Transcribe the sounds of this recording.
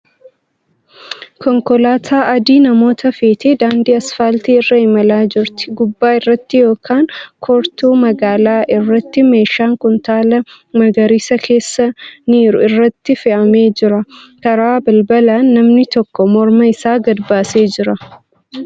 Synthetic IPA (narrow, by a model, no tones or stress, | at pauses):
kɔŋkɔlaːt̪ʰaːʔɐd̪iːnɐmo̞ːt̪ɐfeːt̪eːd̪aːnd̪iɐsfaːlt̪iːɪrːɐhɪmɐlaːd͡ʒɪɾt̪ɪ̥ɡʊbːaːɪrːɐt̪ːɪjo̞ːkaːŋkʰɔɾt̪uːmɐɡaːlaːʔɪrːɐt̪ːɪme̞ːʃaːŋkʊnt̪aːlɐ | mɐɡɐɾiːsɐkʰe̞ːsːɐniːɾʊɪrːɐt̪ːɪfɛʔɐme̞ːd͡ʒɪɾɐkɐɾaːbɐlbɐlaːnːɐmnɪt̪ɔkːɔmɔɾmɐɪsaːɡɐdbaːse̞ːd͡ʒɪɾɐ